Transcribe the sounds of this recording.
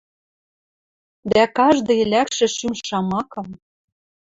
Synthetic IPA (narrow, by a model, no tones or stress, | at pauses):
d̪ækɑʒd̪ɤ̆jlʲækʃɘ̆ʃymʃːɑmɑkɤ̆m